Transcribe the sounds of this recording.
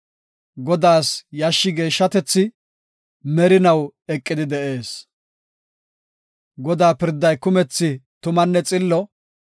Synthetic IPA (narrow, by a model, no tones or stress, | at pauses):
ɡɔd̪aːsjɐʃːɪɡe̞ːʃːɐt̪ɛt͡sːɪ | mɛɾɪnɐwɛkʼːɪd̪ɪd̪ɛʔe̞ːs | ɡɔd̪aːpɪɾd̪ːɐjkʊmɛt͡sːɪt̪ʊmɐnːɛt͡sʼɪlːɔ